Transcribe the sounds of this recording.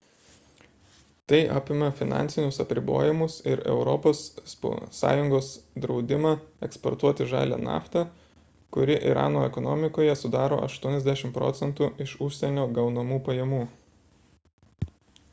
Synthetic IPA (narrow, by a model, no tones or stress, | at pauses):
t̪ɐɪʔɑ̰ːpʲɪmɐfʲɪnɑ̰ːnʲt̪sʲɪnʲʊsɐpʲɾʲɪbo̰ːjɪmʊsɪ̰ɾɛ̰ʊɾɔpoːsː | ɑ̰ːjʊŋɡoːsd̪ɾɒʊd̪ʲɪmɑːɛkspɔ̰ɾt̪uɔt̪ʲɪʒɑ̰ːlʲḛːnɑ̰ːft̪ɐ | kʊɾʲɪʔɪ̰ɾʔɑ̰ːnoːɛkɔnɔmʲɪkoːjɛsʊd̪ɑːɾo̰ːʔɐ̰ʃt̪uɔnʲɛzʲd̪ʲæʃʲɪmpɾɔ̰ːt̪sʲɛnt̪uːɪʃʊʃʲsʲɛnʲoːɡɐʊnɐmuːpɐjɛmuː